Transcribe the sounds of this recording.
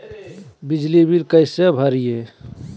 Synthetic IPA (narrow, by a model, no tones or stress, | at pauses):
bid͡ʒlibilkəɪsebʱəɾije